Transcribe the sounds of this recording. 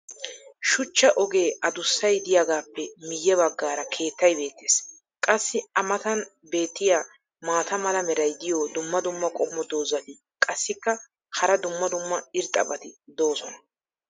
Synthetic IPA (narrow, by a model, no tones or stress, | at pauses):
ʃʊt͡ʃːɐʔɔɡe̞ːɐd̪ʊsːɐjd̪ɪjaɡaːpːɛmɪjːɛbɐɡːaːɾɐkʰe̞ːt̪ːɐjbe̞ːt̪ːeːs | kʼɐsːɪɐmɐt̪ɐn | be̞ːt̪ːɪjaː | maːt̪ɐmɐlɐmɛɾɐjd̪ɪjod̪ʊmːɐd̪ʊmːɐkʼɔmːɔd̪o̞ːzɐt̪ɪ | kʼɐsːɪkːɐ | hɐɾɐd̪ʊmːɐd̪ʊmːɐɪɾt̪ʼːɐ̰bɐt̪ɪd̪o̞ːsɔnɐ